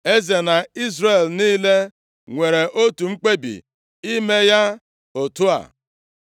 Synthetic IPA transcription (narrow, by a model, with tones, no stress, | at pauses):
e˦ze˨na˨i˦zɾe˨lniː˦le˦ | ŋʷe˨ɾe˨ʔo˦tu˨ŋ͡m̩˦k͡pe˦bḭ˨ | i˦me˦ja˦ | o˨tu˦a̰˨